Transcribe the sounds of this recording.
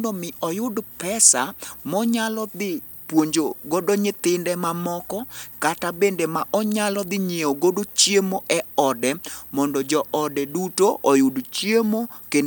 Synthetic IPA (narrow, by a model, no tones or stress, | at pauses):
dɔmɪʔɔjʊdpɛsamɔɲalɔd̪ɪ | pwoɲd͡ʒoɡodoɲɪt̪ɪndɛmamɔkɔkatabendemaʔɔɲalɔd̪ɪɲeoɡodot͡ʃjemoʔɛɔdɛmɔndɔd͡ʒɔʔɔdɛdutoʔɔjʊdt͡ʃjemoken